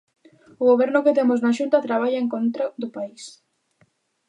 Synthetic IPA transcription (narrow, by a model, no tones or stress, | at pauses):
ʊɣoβ̞ɛɾnʊket̪emʊznaʃunt̪at̪ɾaβaʎaeŋkont̪ɾaðʊpais